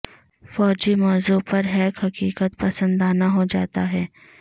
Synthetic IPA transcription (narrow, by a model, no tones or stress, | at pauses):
fɔːd͡ʒimɔːzuːpɐɾɦɛːkɦɐkiːkət̪̚pɐsə̃nd̪aːnaɦod͡ʒa̰ːt̪aɦɛː